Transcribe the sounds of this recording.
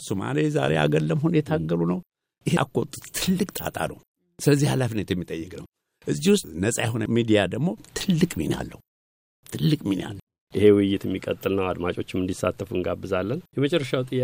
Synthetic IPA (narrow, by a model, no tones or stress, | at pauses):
suma̰leza̰ɾe̞a̰ɡəlːəmhunjɛt̪ʰaɡːəlunəw | ʔɨhekʰʼːot̪ʼːɨt̪t̪ʰɨlːɨkʼt̪ʼa̰t̪ʼa̰ləw | sɨləzːihalafinet̪jɛmːit̪ʼəjːɪkʼnəw | ʔɨzːiwʊst̪nəsʼajɛɦo̞nəmid̪ijad̪əɡmo̞t̪ʰɨlːɨkʼmina̰lːəhu | t̪ʰɨlːɨkʼminja̰lːə | ʔihe̞wɪjɪt̪ɛmːikʼət̪ʼːɨlnəwad̪mat͡ʃʼo̞t͡ʃːɪmɨnd̪isːat̪ʰːəfuɨŋɡabːɨzalːənjɛmət͡ʃʼɛrːəʃawt̪ʼɨjːa